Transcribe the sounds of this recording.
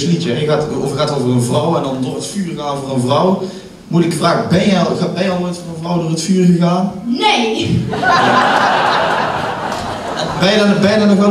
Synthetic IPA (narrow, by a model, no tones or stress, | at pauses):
slitjɛjəɣatofəxaːtoːvərənvrɔwɛndɔndoːrətfyːrəɣaːnvoːrənvrɔw | muləkfraːɣəbɛnjɛɣabɛjɛɔlˠmɛntfɔrə̃nvrɔwdoːrətfyːrɣəɣaːnnej | ja | bɛjədɔnbɛjədɔnɔxʋɛ